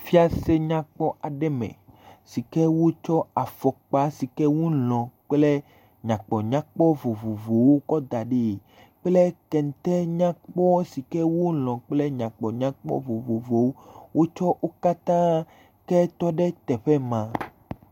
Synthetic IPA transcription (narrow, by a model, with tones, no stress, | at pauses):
fi˦a˦se˦ɲã˦k͡pɔ˦a˨ɖɛ˦mɛ̰̃˨si˨kɛ˦wo˦t͡ʃɔ˦a˨fɔ˨k͡pa˦si˨kɛ˦wo˦lɔ̃˨k͡ple˦ | ɲã˨k͡pɔ˨ɲã˦k͡pɔ˦vo˨vo˨vo˨wo˦kɔ˦d̪a˨ɖe˨ | k͡plɛ˦kɛ˨n˨t̪ɛ˦ɲã˦k͡pɔ˦si˨kɛ˦wo˦lɔ̃˨k͡ple˦ɲã˨k͡pɔ˨ɲã˦k͡pɔ̰˦vo˨vo˨vo˨wo˦wʔo˦t͡ʃɔ˦ʔo˦ka˦t̪ã˦ | kɛ˦t̪ɔ˦ɖɛ˦t̪ɛ˨ɸɛ˦mã˨